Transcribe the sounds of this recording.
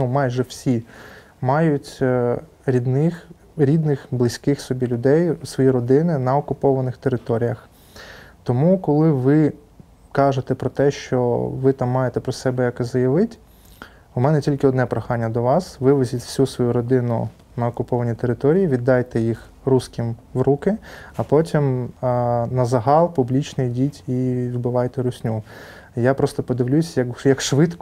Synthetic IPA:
numɑjʒɛwsʲi | mɑjʊtʲ | ɾʲid̪nɪx | ɾʲid̪nɪxblˠɪsʲkɪxsɔbʲilʲʊd̪ɛjsʋɔjiɾɔd̪ɪnɪnɐɔkʊpɔʋɐnɪxt̪eɾɪt̪ɔɾʲijɐx | t̪ɔmukɔlˠɪʋɪ | kɑʒet̪ɛpɾɔt̪ɛʃt͡ʃɔʋɪt̪ɑmːɑjet̪ɛpɾɔsɛbɛjɐkɪzɐjɐʋɪtʲ | umɛnɛtʲilʲkɪɔd̪nɛpɾɔxɑnʲːɐd̪ɔʋɑsʋɪʋezʲitʲwsʲusʋɔjuɾɔd̪ɪnʊ̰ | nɐɔkʊpɔʋɐnʲit̪eɾɪt̪ɔɾʲijiʋʲid̪ːɑjt̪ɛjix | ruskʲimʋɾukɪɐpɔtʲim | nɐzɐɦɑlˠpʊblʲit͡ʃnɪjdʲitʲibɪʋɑjt̪ɛɾʊsʲnʲu | japɾɔst̪ɔpɔd̪ɪʋlʲusʲjɐkjɐkʃʋɪt̪k

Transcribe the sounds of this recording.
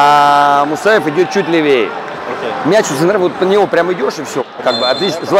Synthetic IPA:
amʊsaɪfɪdʲo̞t̪̚t͡ɕut̬̚ʲlʲɪvʲejə̰ | mʲæt͡ɕt̪sɨnɾafvot̪nənʲɪvo̞pɾʲamɪdʲo̞ʂɨfsʲokaɡ̚bɨɐt̪lʲit͡ɕzlˠ

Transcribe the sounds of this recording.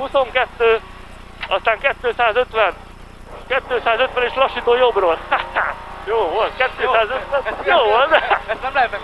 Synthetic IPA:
huso̞ŋkɛt̪ːøː | ɒst̪aːŋkɛt̪ːøːsaːzø̞t̪ʋɛn | kɛt̪ːøːsaːzøt̪ʋɛneːʃlɒʃːit̪oːjobroːlaajoːvolt̪̚kɛt̪ːøːsaːzøt̪ʋɛnjoːvolt̪

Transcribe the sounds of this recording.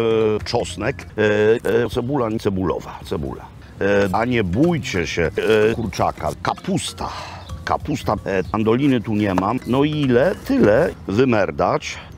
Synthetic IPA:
t͡ʂɔsnɛk | t̪sɛbulaɲt̪sɛbulɔ̰vat̪sɛbṵla̰ | ɲɛbujt͡ɕɛɕɛkuɾt͡ʂaka̰kapust̪a̰ka̰pust̪aand̪ɔlʲinɘt̪uɲɛmanɔilɛt̪ɘlɛvɘmɛɾd̪at͡ɕ

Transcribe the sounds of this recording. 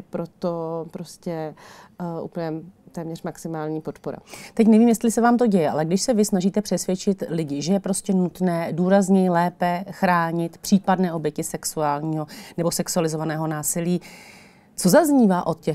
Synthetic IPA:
pɾot̪opɾoscɛ | ʔṵp̩ɲɛt̪ɛːmɲɛr̥maksɪmaːlɲiːpot̪poɾa̰t̪ɛc̬nɛviːmjɛst̪lɪsɛvaːmt̪̬o̞ɟɛjɛʔa̰lɛɡdɪʃsɛvɪsnaʒiːt̪ɛpr̥ɛsvjɛt͡ʃɪt̪lɪɟɪʒɛjɛpɾo̞scɛnut̪nɛːduːɾazɲɛjɪlɛːpɛxɾaːɲɪt̪pr̝̥iːpadnɛːʔo̞bjɛcɪsɛksuaːlɲiːɦonɛbo̞sɛksualɪzo̞vanɛːɦo̞naːsɪliː | t͡so̞zazɲiːvaːʔo̞t̪cɛ

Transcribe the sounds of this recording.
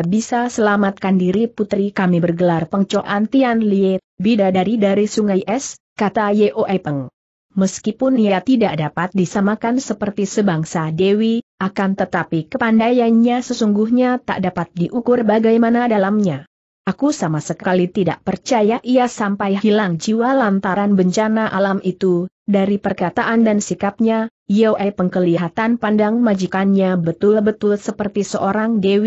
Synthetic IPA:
bisasəlamat̪̚kandiɾiput̪ɾikamibərɡəlarpəŋt͡ʃoʔant̪ianliebidadaɾidaɾisuŋajʔɛs | kat̪ajeʔoʔɛpəŋ | məskipʊniat̪idaʔdapat̪̚disamakansəpərt̪isəbaŋsadewiakant̪ət̪apikəpandajanɲasəsuŋɡuhɲat̪a̰ʔdapat̪̚diʔukʊrbaɡajmanadalamɲa | ʔakusamasəkkalit̪ida̰ʔpərt͡ʃajaʔiasampajhilaŋd͡ʒiwalant̪aɾanbəɲt͡ʃanaʔalamʔit̪udaɾipərkat̪aʔandansikap̚ɲa | jawʔajpəŋkəliɦat̪anpandaŋmad͡ʒikanɲabət̪ʊlbət̪ʊlsəpərt̪isəʔoɾaŋdewi

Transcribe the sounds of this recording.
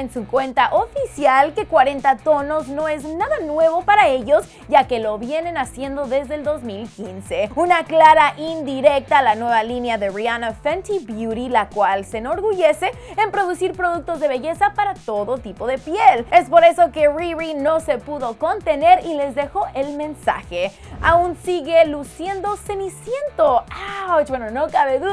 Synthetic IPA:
ensukwe̞nt̪aʔofisjalke̞kwaɾe̞nt̪at̪o̞no̞zno̞e̞znaðanwe̞β̞o̞paɾae̞ʝo̞z | ɟ͡ʝake̞lo̞βje̞ne̞nasje̞nd̪o̞ðe̞zðeːld̪o̞zmilkinse̞unaklaɾaʔind̪iɾe̞k̚t̪alanwe̞βalinjaðe̞rianafant̪ibjuɾilakwalseno̞ɾɣuʝe̞se̞empɾo̞ðusiɾpɾo̞ðuk̚t̪o̞zðeβe̞ʝe̞sapaɾat̪o̞ðo̞t̪ipo̞ðe̞pjele̞spo̞ɾe̞so̞ke̞ririno̞se̞puðo̞ko̞nt̪e̞ne̞ɾile̞zðe̞xo̞ʔelmẽ̞nsa̰xe | aunsiɣe̞lusje̞nd̪o̞semisje̞nt̪oat͡ʃbwenono̞kaβeðu

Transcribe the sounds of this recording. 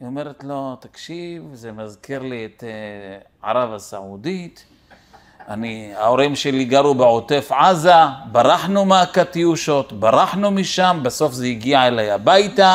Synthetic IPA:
ome̞ɾet̪lo̞t̪akʃivzemazkiɾliet̪e | ʕa̰ɾavasa̰ʕud̪it̪ | aniao̞ɾimʃeliɡaɾubeʕo̞t̪e̞fʕazabaɾaħnumakat̪iuʃo̞t̪baɾaħnumiʃambeso̞fzeiɡiaelajabajt̪a

